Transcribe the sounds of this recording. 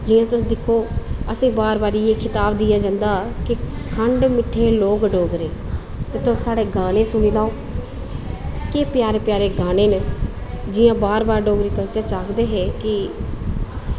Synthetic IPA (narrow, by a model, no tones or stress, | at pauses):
d͡ʒɪjãːt̪ʊsd̪ɪkʰːoːəsĩːbaːɾbaːɾiːeːkʰɪt̪aːbd̪ijaːd͡ʒãːnd̪aːkɪkʰəɳɖmɪʈʰːeːloːɡɖoːɡɾeː | t̪eːt̪ʊsaːɽeːɡaːnẽːsʊɽ̃iːlaːoː | keːpjaːɾeːpjaːɾeːɡaːneːn | d͡ʒɪːjãːbaːɾbaːɾɖoːɡɾiːkəɾt͡ʃaːt͡ʃaːkd̪eːɦɛːkɪ